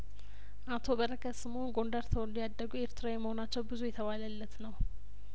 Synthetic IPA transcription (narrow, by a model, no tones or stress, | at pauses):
ʔat̪ʰo̞bəɾəkʰəsɨmonɡo̞nd̪əɾt̪ʰoɨnd̪ijad̪ːəɡue̞ɾt̪ʰɨɾawjɛməho̞nat͡ʃːɛwbɨzujɛt̪ʰəβaləlːət̪nəw